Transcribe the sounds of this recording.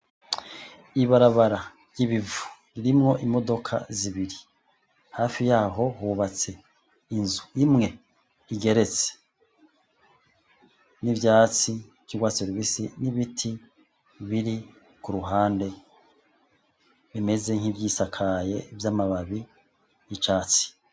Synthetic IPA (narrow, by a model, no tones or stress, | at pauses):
iβaɾaβaɾa | ɾjiβivu̥ɾiɾimŋo̞ʔimo̞do̞kʰa̰ziβiɾi | haːfijaːɦo̞huβat͡se̞ | inzuimŋe̞ | iɡe̞ɾe̞t͡se̥ | nivjaːt͡si | kiɡwaseɾβisiniβitʰi | βiɾi | kuɾuɦaːnde̞ | βime̞ze̞ŋhivjiːsakʰaje̞vjaːmaβaβi | jit͡ʃaːt͡si̥